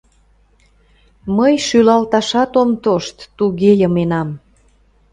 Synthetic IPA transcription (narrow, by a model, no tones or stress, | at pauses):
məjʃylɑlt̪ɑʃɑt̪omt̪oʃt̪ːuɣejəmenɑm